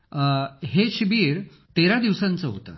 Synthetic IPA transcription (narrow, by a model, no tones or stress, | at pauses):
ɦeɕibiːɾ | t̪eɾad̪iʋsãnt͡səɦo̰t̪ə̰